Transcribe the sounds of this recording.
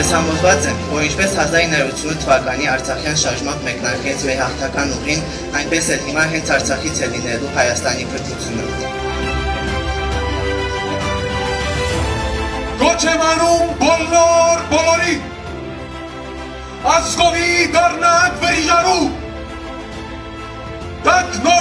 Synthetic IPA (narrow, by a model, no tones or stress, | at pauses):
shɑmɔzvɑt͡sɛnvɔɾint͡ʃʰpɛshɑzɑɾinɑɾɾut͡sʰjunət̪ʰəvɑkɑniɑɾt͡sʰɑχjɑnʃɑɾʒmɑmbmɛknɑɾkɛt͡sʰmɛɾɦɑχt̪ʰɑkɑnuʁin | ɑjnpɛsɛlɦimɑɦɛnt͡sʰɑɾt͡sʰɑχit͡sʰɛlinɛluɦɑjɑst̪ɑnikʰəɾt̪ʰut͡sʰjunə̰ | ɡɔt͡ʃʰɛvɑnumbɔlɔɾbɔlɔɾi | ɑskɔvid̪ɑrnɑkvɛɾʒɑɾum | d̪̥ɑkʰnɔ